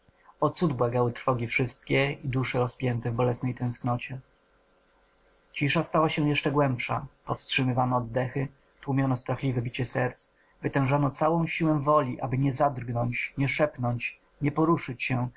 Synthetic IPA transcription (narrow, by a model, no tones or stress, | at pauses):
ɔt̪sud̪bwaɡawɘt̪ɾfɔɡʲifʂɘst̪kʲɛid̪uʂɛɾɔspʲjɛnt̪ɛvbɔlɛsnɛjt̪ɛ̃w̃sknɔt͡ɕɛ | t͡ɕiʂast̪awaɕɛ̃jɛʂt͡ʂɛɡwɛmpʂa̰pɔfstʂɘmɘvanɔːd̪ːɛxɘ | t̪wumʲjɔnɔst̪ɾaxlʲivɛbʲit͡ɕɛsɛɾt̪s | vɘt̪ɛ̃w̃ʐanɔt̪sawɔ̃w̃ɕiwɛ̃vɔlʲiʔabɘɲɛzad̪rɡnɔɲt͡ɕɲɛʂɛpnɔɲt͡ɕ | ɲɛpɔɾuʂɘt͡ɕɕɛ